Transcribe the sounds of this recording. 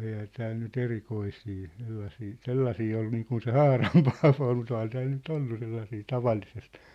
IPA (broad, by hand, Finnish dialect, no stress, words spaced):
eihæ tæːl nyt erikoisiː selːɑsiː selːɑsiː ol niːkun se hɑːrɑm pɑːʋo ol mut ohɑn tæːl nyt olːu selːɑsiː tɑʋɑlːisest